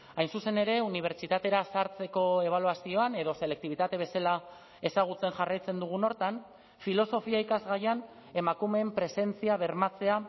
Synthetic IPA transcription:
ajnsuse̞ne̞ɾe̞uniβ̞e̞ɾt͡ʃit̪at̪e̞ɾasaɾt͡se̞ko̞e̞β̞aluasio̞ane̞ðo̞se̞le̞k̚t̪iβ̞it̪at̪e̞β̞e̞sala | e̞saɣ̞ut͡se̞nʝarajt͡se̞nd̪uɣ̞uno̞ɾt̪an | filo̞so̞fiaikazɣajan | e̞makume̞ːmpɾe̞se̞nt͡siaβe̞ɾmat͡se̞a

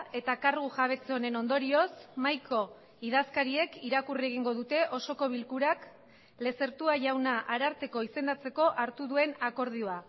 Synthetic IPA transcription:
e̞t̪akaɾɣuʝaβ̞e̞t͡seo̞ne̞no̞nd̪o̞ɾio̞smajkʰo̞ | ið̞askaɾie̞kiɾakurieɣ̞iŋɡo̞ðut̪e̞ʔo̞so̞ko̞β̞ilkuɾak | le̞se̞ɾt̪uaʝawnaʔaɾaɾt̪e̞ko̞ise̞nd̪at͡se̞ko̞ʔaɾt̪uðue̞nako̞ɾð̞ioa

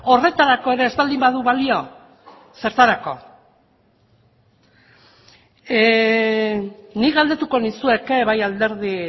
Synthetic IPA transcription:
o̞re̞t̪aɾako̞e̞ɾe̞ːzbald̪imbaðuβalio̞ | se̞ɾt̪aɾako̞̰ | niɣald̪e̞t̪uko̞nisue̞keβajald̪e̞ɾði

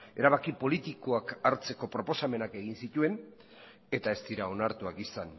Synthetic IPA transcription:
e̞ɾaβ̞akipo̞lit̪iko̞akaɾt͡se̞ko̞pɾo̞po̞same̞nake̞ɣ̞insit̪ue̞n | e̞t̪ae̞st̪iɾao̞naɾt̪uakisan

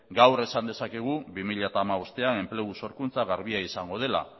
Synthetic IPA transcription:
ɡawre̞sand̪e̞sakeɣ̞uβimiʎat̪aːmaβost̪e̞ae̞mple̞ɣ̞uso̞ɾkunt͡saɣaɾβiaisaŋɡo̞ð̞e̞la̰

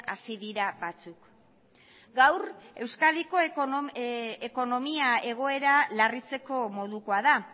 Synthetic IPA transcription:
a̰siðiɾabat͡suk | ɡawre̞wskaðiko̞ | eko̞no̞miae̞ɣ̞o̞e̞ɾalarit͡se̞ko̞mo̞ðuko̞aða

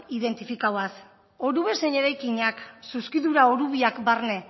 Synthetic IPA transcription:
iðe̞nt̪ifikawas | oɾuβe̞se̞ɲe̞ɾajkiɲaksuskiðuɾaoɾuβ̞iakbarne̞

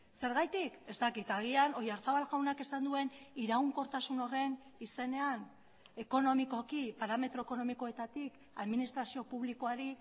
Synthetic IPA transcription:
se̞ɾɣajt̪ike̞st̪akit̪aɣ̞iano̞jaɾfaβalɣawnake̞sand̪ue̞niɾaɣuŋko̞ɾt̪asuno̞re̞nise̞ne̞an | e̞ko̞no̞miko̞kipaɾame̞t̪ɾo̞eko̞no̞miko̞e̞t̪at̪ik | aðminist̪ɾasio̞puβliko̞aɾi

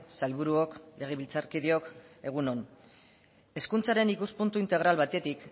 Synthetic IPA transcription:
salβuɾuokle̞ɣ̞e̞βilt͡saɾkiðio̞ke̞ɣ̞uno̞n | e̞skunt͡saɾe̞nikuspunt̪uint̪e̞ɣ̞ɾalβat̪e̞t̪ik

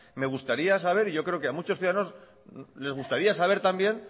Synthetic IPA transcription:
me̞ɣ̞ust̪aɾiasaβ̞e̞ɾiʝo̞kɾe̞o̞keamut͡ʃoθjuðaano̞s | le̞zɣ̞ust̪aɾiasaβ̞e̞ɾt̪ambje̞n

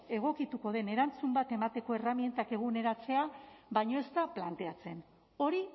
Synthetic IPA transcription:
e̞ɣ̞o̞kit̪uko̞ð̞e̞ne̞ɾant͡sumbat̪e̞mat̪e̞ko̞e̞ramje̞nt̪ake̞ɣ̞une̞ɾat͡se̞aβajɲo̞e̞st̪aplant̪e̞at͡se̞n | o̞ɾi

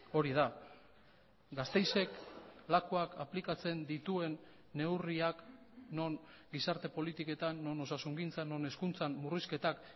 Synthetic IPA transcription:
o̞ɾiða | ɡast̪e̞jse̞klakoakaplikat͡se̞nd̪it̪ue̞nː | e̞wriak | no̞ŋ | ɡisaɾt̪e̞po̞lit̪ike̞t̪anːo̞no̞sasuŋɡint͡sano̞ne̞skunt͡sanmuriske̞t̪ak

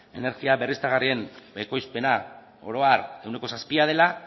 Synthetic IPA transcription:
e̞̰ne̞ɾɣiaβe̞rist̪aɣarie̞neko̞jspe̞na | o̞̰ɾo̞are̞wne̞ko̞saspiað̞e̞la

